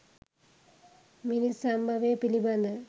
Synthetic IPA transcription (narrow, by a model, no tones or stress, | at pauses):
minisɐmbɐʋepilibɐnɐ